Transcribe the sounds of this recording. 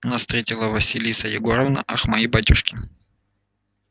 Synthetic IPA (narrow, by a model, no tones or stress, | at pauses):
nast̪ɾʲetʲɪlˠəvɐsʲilʲisɐjɪɡoɾəvnɐ̰ʔɐxmɐjibatʲʊʂkʲɪ